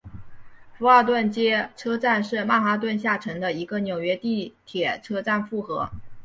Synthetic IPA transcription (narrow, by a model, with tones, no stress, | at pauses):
fu˧˥ɑ˥˩ʊt̪wə˥˩nt͡ɕjɛ˥ʈ͡ʂʰɤ˥t͡sa˥˧nʂɻ̩˥˧ma˥˩xa˧˥t̪wə˥˧nɕja˥˩ʈ͡ʂʰɤ˧˥ŋd̪ə˧i˧˥ɡə˧njo˨˩ʊɥɛ˧˥t̪i˥˩t̪ʰjɛ˨˩ʈ͡ʂʰɤ˥ʈ͡ʂa˥˧nfu˥˩xɤ̰˧˥